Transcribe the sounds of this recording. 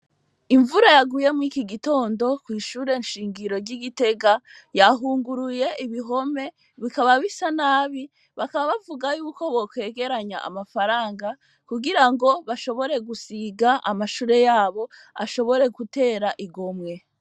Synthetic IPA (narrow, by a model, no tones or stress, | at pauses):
iɱvuɾajaɡuje̞muikiɡito̞ːndo̞kwiːʃuːɾe̞ɲʃiːŋɡiɾo̞ɾɟiɡite̞ɡa | jaɦuːŋɡuɾuje̞ʔiβiɦo̞me̞ | βikaβaβisanaːβi | βakaβaβavuɡajuːko̞βo̞kwe̞ːɡe̞ɾaɲa̰a̰mafaɾaːŋɡa | kuɡiɾaŋɡo̞βaʃo̞βo̞ɾe̞ɡusiɡaʔa̰maʃuːɾe̞jaːβo̞ | a̰ʃo̞βo̞ɾe̞ɡute̞ːɾaʔiɡomŋe̞